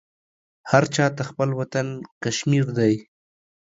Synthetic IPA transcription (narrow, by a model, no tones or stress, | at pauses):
haɾt͡ʃɑt̪axpəlwat̪ankaʃmiɾd̪aj